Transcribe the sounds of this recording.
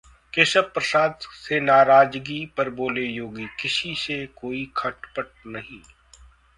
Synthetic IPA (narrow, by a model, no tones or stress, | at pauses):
keʃəb̚pɾɐsaːd̪senaːɾaːd͡ʒɡipɐɾboːlejoːɡikɪʃisekoːikʰɐʈpəʈ̚nɐɦĩː